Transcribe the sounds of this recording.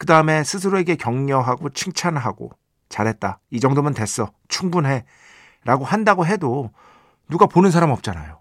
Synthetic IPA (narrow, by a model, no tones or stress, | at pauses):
kɯdaɯme̞sʰɯs̬ʰɯɾoeɡe̞kjʌŋɲʌɦaɡot͡ɕʰɯŋt͡ɕʰanɦaɡo̰ | t͡ɕaɾɦe̞t̚t͈aid͡ʑʌŋdomɯntwe̞s͈ʌ | t͡ɕʰuŋbunɦe̞ | ɾʔaɡohandaɡoɦe̞do | nuɡaponɯnsʰaɾamʌp̚t͡ɕ͈ana̰jo